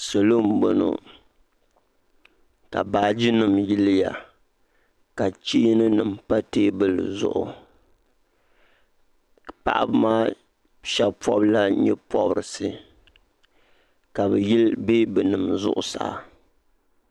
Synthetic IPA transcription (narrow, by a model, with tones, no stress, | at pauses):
so˨lo˦m̩˦bo˨˦no̰˨ | ka̰˨baː˨˦d͡ʒi˦nɨ˨mji˦lɨ˦ja̰˨ | ka˨t͡ʃiː˦nɨ˦nɨ˨m˨pa˦teː˦bɨ˦l̰zʊ̰˨ʔʊ˨ | pa̰˨ʔa̰˦bɨ˦maː˦ | ʃɛ˦pɔ˦bla˦ɲɛ˦pɔ˦bɨ˨ɾɨ˨sɨ˨ | ka˨bɛ˨jlbeː˦bɛ˨nɨ˨mzʊ̰˦ʔʊ˨sa̰˨ʔa̰˨